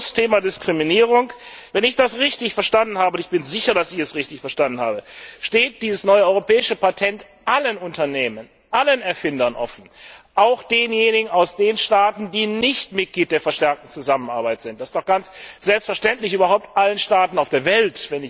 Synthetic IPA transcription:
stʰeːmadɪskʁ̥iminiːʁ̞ʊŋkvɛnɪçd̥asʁɪçtɪçfɛɐʃtandn̩haːbəʊntɪçb̥ɪnzɪçɐɾasɪçɛsʁɪçtɪçfɛɐʃtandn̩ha̰ːbəʃteːt̚d̥iːzəsnɔʏəɔʏʁopɛːɪʃəpatʰɛnt | ʔalənʊntɐneːmən | ʔalənɛɐfɪndɐnʔɔ̰fn̩ʔaʊxd̥eːnjeːnɪɡŋ̩aʊsd̥eːnʃtaːtn̩diːnɪçtmɪt̚ɡ̥liːt̚d̥eːɐfɛɐʃtɛɐk̚tn̩t͡suzaməna̰ɐbaɪtz̥ɪnt̚dasɪ̥std̥ɔχxɡ̥ant͡sz̥ɛlpstfɛɐʃtɛntlɪçʔyːbɐɦaʊp̚tʔalənʃtaːtn̩aʊfd̥eːɐvɛltvɛnɪ

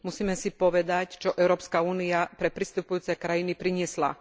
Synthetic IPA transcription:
musiːmɛsipɔʋɛd̪act͡ʃɔʔɛʊɾɔːpskauːniapɾɛpɾist̪upujuːt͡sɛkɾajinipɾiɲɪɛsla̰

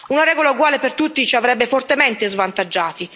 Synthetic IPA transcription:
unaɾɛːɡolauɡwaːlepert̪ut̪ːit͡ʃiavɾɛbːefɔrt̪emɛnt̪ezvant̪ad͡ʒːaːt̪i

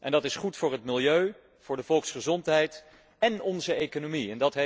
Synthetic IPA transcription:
ʔɛndɑtɪsχutfʊːɹɦətmɪlˠjøɥ | v̥ʊːɹdəv̥ɔlˠksχəzɔntɦɛjt | ɛnɔnzəejkonomiɛndɑtɦ

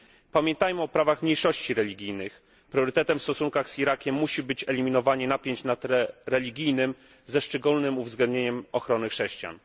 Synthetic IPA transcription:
pamʲjɛnt̪ajmɘɔpɾavaxmɲejʂɔɕt͡ɕiɾɛlʲiɡʲijnɘx | pɾjɔɾɘt̪ɛt̪ɛmfst̪ɔsuŋkaɣsxʲiɾakʲɛmːuɕibɘt͡ɕɛlʲimʲinɔvaɲɛnapʲjeɲt͡ɕnat̪ɾɛɾɛlʲiɡʲijnɘm | zɛʂt͡ʂɛɡulnɘmuvzɡlɛnd̪ɲeɲɛmɔxɾɔnɘxʂɛɕt͡ɕja̰n

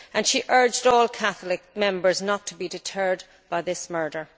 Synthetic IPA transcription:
ə̃nʃiʔɜ˞d͡ʒdɔːlˠkʰaθlɪk̚mɛ̃mbə˞znətʰəbidɪtʰɜ˞d | b̥aɪðɪsmɜ˞ɾə˞

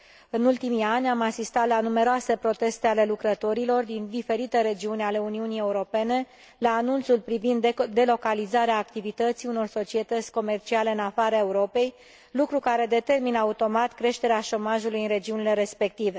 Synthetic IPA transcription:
ɨnult̪imianʲamasist̪at̪lanume̞ɾoase̞pɾo̞t̪e̞st̪e̞ale̞lukɾət̪o̞ɾilo̞rd̪ind̪ife̞ɾit̪e̞ɾe̞d͡ʒiunʲale̞uniunije̞uɾo̞pe̞ne̞ | laːnunt̪sulpɾivind̪d̪e̞lo̞kalizaɾeaːkt̪ivit̪ət̪siuno̞rso̞t͡ʃie̞t̪ət̪sʲko̞me̞rt͡ʃiale̞ɨnafaɾae̞uɾo̞pe̞j | lukɾukaɾe̞d̪e̞t̪e̞rminəaut̪o̞mat̪kɾe̞ʃt̪e̞ɾeaʃo̞maʒulujɨnre̞d͡ʒiunile̞ɾe̞spe̞k̚t̪ive̞

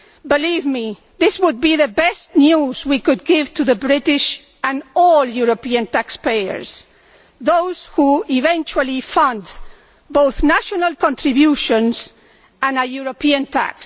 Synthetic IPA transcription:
bɪlivmi | ðɪswʊd̪̚biðəbɛstnjuzwikud̪̚ɡɪvt̪ʰuðəbɾɪtɪʃ | ãnɔljuɾopiãntakspejə̰ɹs | ðowzhuivɛ̃nt͡ʃualifʌ̃nd̪ | bowθnaʃonalˠkɔ̃ntɾibjuʃɔ̃ns | ãnəjuɾopiãntʰa̰ks

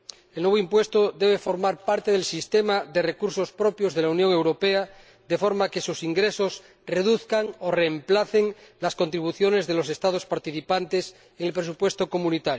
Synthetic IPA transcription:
elnwe̞βoimpwe̞st̪oðeβ̞efo̞ɾmaɾpaɾt̪eð̞elsist̪emaðe̞rekuɾso̞spɾopjozð̞e̞launjoŋe̞wɾopea | ðe̞fo̞ɾmakesusiŋɡɾesos | reðuθkaŋoreːmplaθeŋlasko̞nt̪ɾiβ̞uθjo̞ne̞zðelose̞st̪að̞ospaɾt̪iθipant̪es | eŋelpɾes̬upwe̞st̪oko̞mũnit̪aɾjo

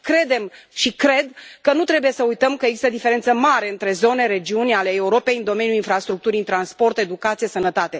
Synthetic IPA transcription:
kɾe̞d̪e̞m | ʃikɾe̞d̪kənut̪ɾe̞bujesəujt̪əmkəeɡzist̪əd̪ife̞ɾe̞nt̪səmaɾe̞ɨnt̪ɾe̞zo̞ne̞ɾe̞d͡ʒiunʲale̞ːuɾo̞pe̞jɨnd̪o̞me̞nʲjulinfɾast̪ɾuk̚t̪uɾit̪ɾanspo̞rt̪e̞d̪ukat̪sijesənət̪at̪e̞

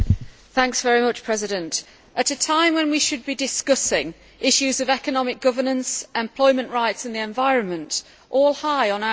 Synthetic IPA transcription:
θæ̃ŋksvɛɹimʊt͡ʃpʰɹ̥ɛzɪɾə̃nt | ʔətətʰãɪ̃mwə̃nwiʃɨd̚bidɪskʌsɪ̃ŋ | ʔɪʃʉzəvɛkənɒmɪk̚ɡ̥ʊvə˞nə̃nsʔɛ̃mpʰl̥ɔɪmə̃nʔɹaɪtsɪ̃n̩ðiɛ̃ɱvaɪɹə̃nmə̃nt | ʔɔːlˠhaɪə̃na

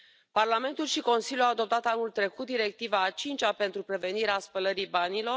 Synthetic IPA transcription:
parlame̞nt̪ulʃiko̞nsiljuawad̪o̞p̚t̪at̪anult̪ɾe̞kut̪̚d̪iɾe̞k̚t̪ivaːt͡ʃint͡ʃape̞nt̪ɾupɾe̞ve̞niɾeaspələɾibanilo̞

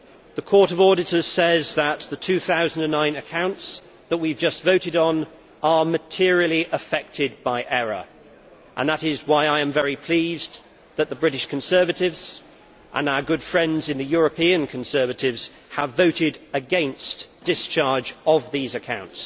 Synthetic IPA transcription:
ðəkʰɔɹɾʌvɔɹɾɨtə˞z̥sɛzðət̪̚ðətʰʉθaʊz̃n̩də̃nːãɪ̃nɨkʰãʊ̃nts | ðəʔ̚wivd͡ʒʌstv̥oʊɾɪɾn̩ | əmɨtʰɪəɹil̩ˠiʔəfɛk̚tʰɪd̚baɪʔɛɹə̰ | ʔə̰̃nðəɾɪzwaɪaɪɨ̃ɱvɛɹipʰl̥iːz | ðət̪̚ðəbɹɪɾɪʃkʰn̩sɜ˞vɨɾɪvz̥ | ʔə̰̃naʊəɡʊd̥fɹɛ̃ndzɨ̃nðɨjʊɹəpĩɨ̃nkʰn̩sɜ˞vɨɾɪvz̥ | əvoʊɾɪɾəɡɛ̃nsd̥ɪst͡ʃʰɑɹd͡ʒəvðizɨkʰãʊ̃nts

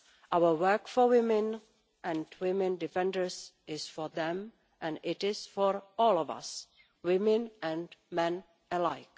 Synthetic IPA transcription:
ʔawəwɜ˞kfɔwɪmɛ̃n | ʔɛ̃ndwɪmɛ̃ndifɛ̃ndə˞s | ɪsfɔɹðɛ̃m | ʔɛ̃nɪtɪsfɔɹɔlɔvʌ̰s | wɪmɛ̃nʔɛ̃nmɛ̃n | əlaɪk

